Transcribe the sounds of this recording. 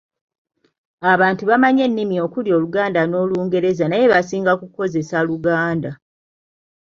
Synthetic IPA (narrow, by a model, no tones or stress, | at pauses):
aβaːntuβamaɲe̞nːimio̞kuljo̞ːluɡaːndano̞ːluːŋɡe̞ɾe̞zanaje̞βasiːŋɡakuko̞ze̞saluɡaːnda